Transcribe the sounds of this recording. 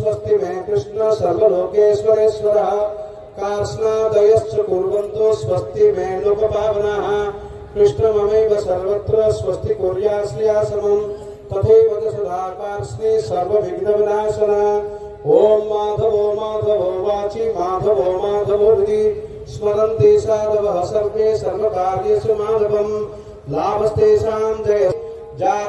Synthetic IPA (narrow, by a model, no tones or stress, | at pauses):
sʋɐst̪ʰimeːkɾɪʂɳɐsɐɾʋɐloːkeːsʋɐɾeːsʋɐɾɐɦɐ̆ | kaːɾsnaːd̪ɐjɐst͡ʃɐkuɾʋɐnt̪osʋɐst̪imeːloːkɐbʱaːʋɐnaːɦɐ̆ | kɾɪʂɳɐmɐmejʋɐsɐɾʋɐt̪ɾɐsʋɐst̪ʰikuɾjaːslijaːsɐmɐm | t̪ɐt̪ʰɐjʋɐd̪ɐsɐd̪ʱaːkaːɾsɾisɐɾʋɐbʱiɡnɐʋɐnaːsɐnɐɦɐ̆ | ɦoːmːaːd̪ʱɐʋoːmaːd̪ʱɐbʱɐːʋaːt͡ʃimaːd̪ʱɐʋoːmaːd̪ʱɐboːbit̪i | smɐɾɐnt̪eːʃaːd̪ɐʋɐɦɐsɐɾpeːsɐɾʋɐkaːɾjɐsɐmaːd̪ʱɐbɐm | laːbɐst̪eːʃaːmd̪eː | d͡ʒaː